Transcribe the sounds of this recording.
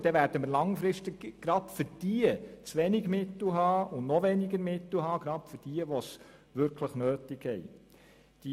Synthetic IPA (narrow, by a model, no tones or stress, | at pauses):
d̥ɛʋæːɾd̥əməɾlɑŋfɾɪʃtikɡ̥ɾɑbfʏɾd̥iət͡sʋɛniɡmɪtl̩ɦɑːʊnnɔʋeniɡəɾmɪtl̩ɦɑːɡɾɑpfʏd̥iəʋɔsʋʏɾkʰləχnøːtiɡhɛj | d̥i